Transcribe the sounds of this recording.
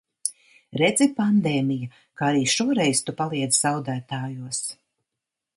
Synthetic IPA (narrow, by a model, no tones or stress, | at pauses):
ɾɛd̪zɛpand̪eːmija | kaaɾiːʃuɔɾɛjst̪upalˠiɛd̪zzawd̪æːt̪aːjuɔs